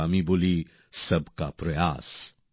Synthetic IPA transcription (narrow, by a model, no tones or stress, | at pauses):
amiboli | səbka̰pɾɐja̰ːs